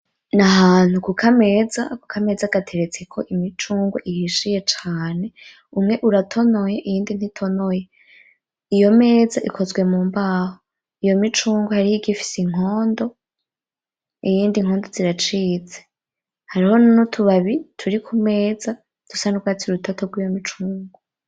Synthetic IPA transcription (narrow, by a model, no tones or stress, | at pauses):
naɦaːn̥hukukʰame̞ːzakukʰame̞zaɡatʰe̞ɾe̞t͡se̞kʰo̞̰ʔimit͡ʃuːŋɡo̰ʔihiʃije̞t͡ʃaːne̞ | umŋe̞ʔuɾatʰo̞no̞je̞ʔijiːndin̥hitʰo̞no̞je̞ | ijo̞me̞ːzaʔikʰo̞zɡwe̞muːmbaːho | ijo̞mit͡ʃuːŋɡohaɾihiɡifi̥siŋ̥o̞ːndo̞ | ijiːndiŋ̥ho̞ːndo̞ziɾat͡ʃiːt͡se | haɾiho̞nnotʰuβaβitʰuɾikʰume̞ːza | tusanuɡwatiɾutʰotʰoɡwijomit͡ʃuːŋɡo